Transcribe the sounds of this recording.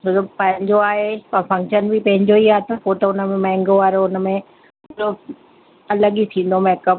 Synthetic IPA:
d͡ʑoopɐ̃ɦɪ̃ɲd͡ʑoaːɦepɐfɐ̃ŋkʃənbʱipɐ̃ɦɪ̃ɲd͡ʑoiaːɦet̪ɐpot̪əʊnəmẽmɐ̃ɪ̃ŋɡoʋaːɾoʊnə̆mẽ | lo | ɐləɠit̪ʰĩːn̆d̪omɛːkəp̚

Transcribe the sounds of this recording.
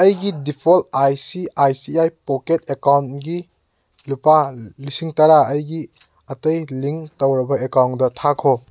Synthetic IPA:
ɐjɡidipʰolajsiajsiajpɔketekawntɡi | lupalisiŋtaɾaɐjɡi | ɐtɐjliŋtowɾɐbɐekawndɐtʰakʰo

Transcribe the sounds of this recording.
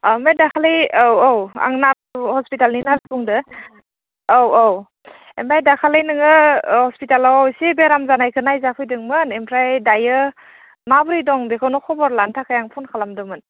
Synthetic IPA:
amajdakʰalɯjwowa̰ŋnap̚hɔspitalninalbuŋdɯ | owow | embajdakʰalɯjnɯŋɯhɔspitalawsibeɾamzanajkʰɯnajzapʰɯjdɯŋmɯnempʰɾajdajɯ | mabɯɾidɔŋdekʰawnɔkʰɔbɔɾlantʰakʰajaŋpʰunkʰalamdɯmɯn

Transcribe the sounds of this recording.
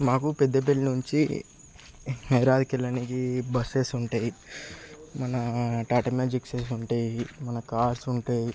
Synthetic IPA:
maːkupɛd̪ːɐpelnuɲt͡ʃi | nɐjɾaːd̪ikɛlːɐnikibɐseːsuɳʈaːji | mɐnɐʈaːʈɐmjaːd͡ʒikseːs̬uɳʈaːjimɐnɐkaːɾsuɳʈaːji

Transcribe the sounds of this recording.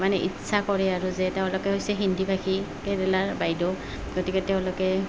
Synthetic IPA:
manɛʔḭtsʰakɔɹɛaɹuzɛtɛʊ̃lɔkɛɦojsɛɦindibʱakʰi | kɛdɛlaɹbajdɔ | ɡotikɛtɛʊ̃lɔkɛ

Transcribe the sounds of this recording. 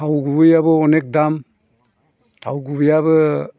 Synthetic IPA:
awɡubɯjabɯɔnek̚dam | tʰa̰wɡubɯjaβɯ

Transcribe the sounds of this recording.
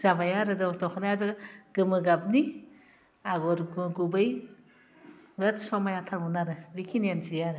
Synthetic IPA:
zabajaɾɯzatɔkʰanajazɯɡ̥ɯmɯɡab̚ni | aɡɔɾɡɡubɯj | bɯtsɔmajatʰaŋunaɾɯɾikʰiniansijaɾɯ

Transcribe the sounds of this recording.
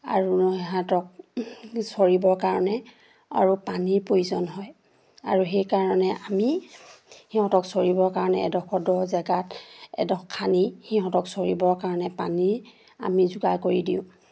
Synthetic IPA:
a̰ɹuniɦatɔk̚ | soɹibɔɹkaɹɔnɛ | a̰ɹupaniɹpɹojuzɔnɦɔj | a̰ɹuxejkaɹɔnɛʔami | hiɦɔ̃tɔksoɹibɔɹkaɹɔnɛ̰ɛ̰dɔxɔdɔzɛɡatɛ̰dɔxkʰːanixiɦɔ̃tɔksoɹḭbɔɹkaɹɔnɛpaniɹ | a̰mizuɡakoɹidiʊ̃

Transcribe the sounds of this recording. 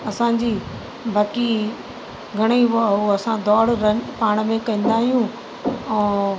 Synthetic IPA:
ɐsãːd͡ʑiː | bʱaːki | ɡʱɐɽ̃iʋaɦuɐsãd̪ɔːɽɾɐpaːɽ̃mẽkɐ̃ĩːn̆d̪aːɦijũ | ɛ̃ː

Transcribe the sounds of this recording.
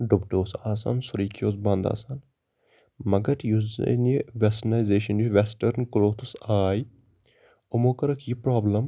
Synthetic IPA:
ɖʊbʈoːsaːsa̰nsʊɾiːkʰjoːsbɐ̃nd̪a̰ːsan | mɐɡɐɾjuz̰niʋesnaːjzeːʃɐnjuʋesʈəɾnkloːt̪ʰusaːj | omoːkɐɾɐkʰjipɾaːbləm

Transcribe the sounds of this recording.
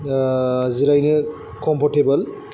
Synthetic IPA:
ziɾajnɯ | kɔmpʰɔɾtebɐl

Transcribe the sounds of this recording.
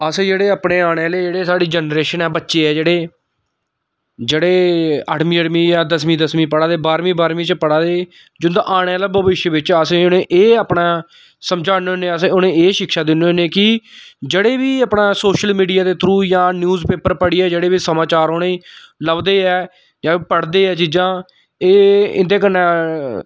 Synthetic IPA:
əsẽːd͡ʒeːɽeːaːpɳeːaːɽ̃eːleːd͡ʒeːɽeːsaːɽiːd͡ʒənɾeːʃənɛːbətːʃeːɛːd͡ʒeːɽeː | d͡ʒeːɽeːəɽmĩːəɽmĩːjãːd̪əsmĩːd̪əsmĩːpəɽaːd̪eːbaːɾmĩːbaːɾmĩːt͡ʃpəɽaːd̪eː | d͡ʒʊnd̪aʔaːɽ̃eːlabəʋɪʃjəʋɪt͡ʃasẽʊnẽːʔeːaːpɳaː | səmd͡ʒaːnoonẽːseʊnẽːeːʃɪkʃaːd̪ɪnːõneːkɪd͡ʒeːɽeːʋiːəpɳãːsoːʃəlmiːɖijaːd̪eːt̪ʰɾuːjãːnjuːzpeːpəɾpəɽiːɛːd͡ʒeːɽeːʋiːsəmaːt͡ʃaːɾoːɽeːləbd̪eːɛː | d͡ʒãːpəɽd̪eːɛːt͡ʃiːd͡ʒãː | eːɪ̰nd̪eːkənːãː

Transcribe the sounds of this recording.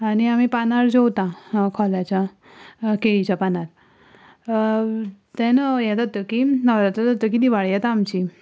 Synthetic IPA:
añiamipanaɾd͡ʑowt̪ãkʰɔlat͡ɕa | keit͡ɕapanaɾ | t̪ɛ̃nəjɛt̪at̪əkinəʋɾat̪at̪at̪ək̬id̪iʋaɭjat̪amt͡ɕi

